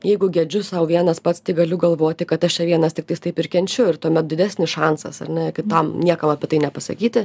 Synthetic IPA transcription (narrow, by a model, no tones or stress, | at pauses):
jɛɪɡʊɡʲɛd͡ʒʲʊssɐʊʋʲiɛnɐspɐt̪st̪ɐɪɡɐlʲʊɡɐlˠʋoːt̪ʲɪkɐt̪ɐʃt͡ʃʲɛʋʲiɛnɐst̪ʲɪkt̪ɐɪst̪ɐɪpɪrkʲɛnʲt͡ʃʲʊɪɾt̪uɔmʲɛt̪̚dʲɪd̪ʲæsʲnʲɪsʃɑnsɐ̰sɐ̰ɾnʲɛkʲɪt̪ɐmnʲiɛkɐmɐpʲɛt̪ɐɪnʲɛpɐsɐ̰kʲiːt̪ʲɪ